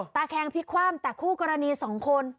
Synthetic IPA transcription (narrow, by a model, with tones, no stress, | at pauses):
t̪aː˧kʰɛː˧ŋpʰi˦˥kʰwaː˥˩mt̪ɛː˨˩kʰuː˥˩kɔ˧ɾa˧niː˧sɔː˩˦ŋkʰo˧n